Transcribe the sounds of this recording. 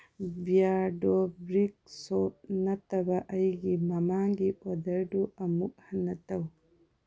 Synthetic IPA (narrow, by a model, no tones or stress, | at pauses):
bijaɾdɔbɾik̚sɔp̚nɐtɐbɐʔɐjɡimɐmaŋɡipɔd̪ɐɾduʔɐmuk̚hɐnːɐtɐw